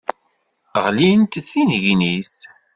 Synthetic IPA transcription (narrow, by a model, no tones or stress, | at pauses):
ʁlint̪θinʝnis